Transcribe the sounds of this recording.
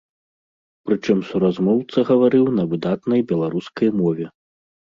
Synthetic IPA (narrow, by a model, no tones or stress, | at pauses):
pɾɨt͡ʂɨmsuɾazmɔwt̪sɐɣɐvaɾɨwnɐvɨd̪at̪nɐjbʲɛlˠaɾuskɐjmɔvʲɛ